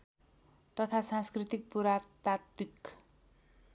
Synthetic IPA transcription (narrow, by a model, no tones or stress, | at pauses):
t̪ʌt̪ʰasãnskrit̪ik̚puɾat̪at̪̚pik